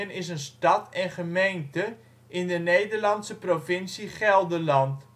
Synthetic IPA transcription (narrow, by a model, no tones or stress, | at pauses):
ənɪs̬ənstɑtɛnχəmejntə | ʔɪndənejdərlɑntsəprofɪnsiχɛlˠdəlɑnt